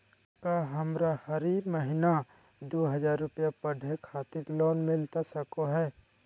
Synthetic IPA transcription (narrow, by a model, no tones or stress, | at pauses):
kaɦɐmɾahɐɾiməɦɪna | d̪oːɦɐd͡ʒaːɾːʊpjapəɖʱekʰaːt̪ɪɾlɔːnmɪlt̪asɐkoɦɛː